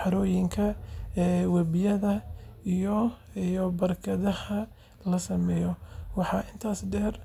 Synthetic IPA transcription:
ħɑɾɔːjɪŋkʰɐɛːwɐbɪjɐðɐijɔ | jɔbɐrkʰɐðɐhɐ | lɐsɐmɛːjɔwɑħɑʔɪnt̪ʰaːsɖɛːr

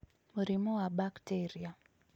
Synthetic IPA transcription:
muɾimuwaɓaktiɾia

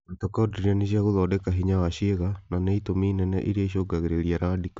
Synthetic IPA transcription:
it̪ɔkɔdɾianis̬iaɣuðɔdɛkaɦiɲawaʃieɣananɛit̪omiːnɛnɛ̰ʔiɾieʃ̬oɡaɣiɾeliaɾadik

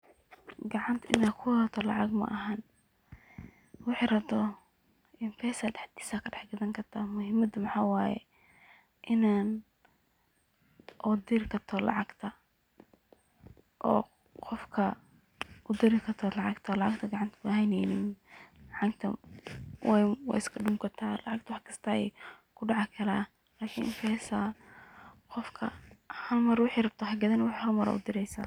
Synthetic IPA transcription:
ɡɑʕɑnt̪ʰʔɪnaːkʰʊwt̪ʰɔlɑʕɑɡmɐ̰ʔɐɦan | wɑħɑɾɐbt̪ɔ | ʔɪnpʰɛːsɐɖɛħd̪i̥ːsaːkʰɐɖɛħɡɐðɐŋkʰɐrt̪ʰaːmʊhɪmɐd̪ʊmɑħaːwaːjɛ̰ | ʔɪnaːn | ʔɔd̪ɪɾkʰɐt̪ʰɔlɑ̰ʕɑɡt̪ʰɐ | ʔɔ̰ː | qɔfkʰɐ | ʔʊd̪ɪɾɪkʰɐt̪ʰɔlɑʕɑɡt̪ʰɐlɑʕɑɡt̪ʰɐɡɑʕɑnt̪ʰɐ̥kʊhɛjnɛjnɪnlʕɑɡt̪ʰɐ | wɛjwɑ̰ɪskʰɐɖʊŋkʰɐt̪ʰaːlɑ̰ʕɑɡ̚t̪ʰwɑħkʰɐ̥st̪ʰaːɛ̰j | kʰʊɖɑʕɑkʰɐlɛ | laːkʰinʔɪnfʰɐɛsa | qɔfkʰɐ̰hɐlmɐɾwʊħiːrɐb̚t̪ʰɐɦɐɡɐðɐnɐwʊħhɐlmɐɾɐ̰ʔʊ̰d̪ɪɾɛjsa̰ː

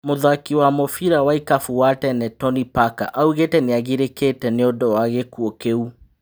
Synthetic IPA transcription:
moðakiwamofiɾawaikafuwatɛnɛtɔnipaka̰ʔauɣetɛneaɣiɾeketɛneɔdɔwaɣekuɔkeu

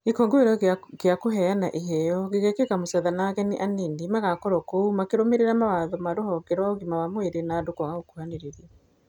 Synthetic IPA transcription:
ekoŋɡoeɾɔɣeakoɦɛanaʔiɦɛjɔɣeɣɛkekamosɛðanaɣɛneʔaninimaɣakɔɾɔkoumakeɾomeɾeɾamawaðɔmaɾohɔɡɛɾwaɔɣimawamoeɾenaːdokwaɣaokuhaneɾeɾiɛ

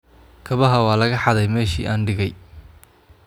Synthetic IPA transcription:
kʰɐβɐɦɐwɑːlɐɣɐħɑðɛjmɛːʃḭːʔaːnɖɪɣɛj

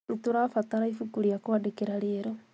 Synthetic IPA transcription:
itoɾafat̪aɾaifukuɾiakoadekeɾaɾeeɾo

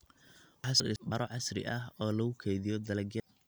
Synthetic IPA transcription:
wħɑsrɪ̰bɐɾɔʕɑsɾɪ̰ʔɐɦɔːlɐɣʊkʰɛjðɪjɔd̪ɐlɛɡɐ

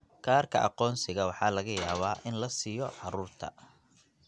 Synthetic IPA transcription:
kʰaːrkʰɐ̰ʔɑ̰qɔːnsɪɣɐwɑħɑːlɐɣɐjaːβaːʔɪnlɐsijɔʕɑɾuːrt̪ʰɐ̰

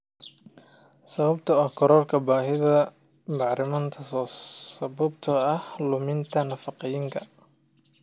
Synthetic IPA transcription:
sɐβɐbt̪ʰɐɐkʰɔɾɔːlkʰɐbaːɦɪðɐ | bɑʕɾɪmɐnt̪ʰɐssɐβɐbt̪ʰɐɐhlʊmɪnt̪ʰɐnɐfɑqɛjɪŋkʰɐ

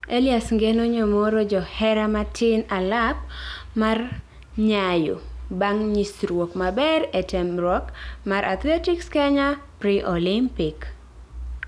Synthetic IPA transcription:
eliasŋɡɛnɔɲɔmɔɾɔd͡ʒɔhɛɾamatʰɪnalap̚ | mar | ɲajo̰baŋɲisɾwokmabɛɾɛtɛmɾwɔkmaɾʔa̰t̪lɛtikskɛɲapɾiʔɔlɪmpɪk

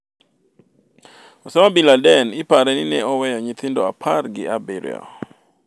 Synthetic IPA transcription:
ɔsɔmabiladɛnɪpaɾɛnɪnɛɔwɛjɔɲɪt̪ɪndɔapʰarɡɪ̰abɪɾjɔ̰

